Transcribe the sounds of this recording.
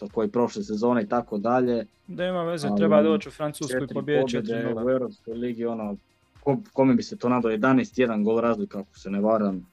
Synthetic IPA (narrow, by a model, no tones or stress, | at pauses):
t̪okojipɾo̞ʃlˠesezoneit̪akod̪aʎe̞ | nimaʋezot͡ʃufɾanut͡ʃt͡ʃeɾpobjeɛd̪euevɾopskojliɡio̞no | kokomebiset̪o̞ːnad̪aojed̪anejst̪jed̪aŋɡolˠɾaːzlˠikako̥seneʋaɾam